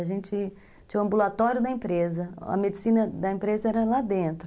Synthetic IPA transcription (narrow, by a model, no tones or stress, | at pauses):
ɐʒẽnt͡ʃɪ | t͡ʃĩũɐ̃mbulat̪ɔɾjʊd̪ɐẽpɾezɐɐ̰med͡ʒɪsĩnɐd̪ɐẽpɾezɐɛɾɐlad̪ẽnt̪ɾʊ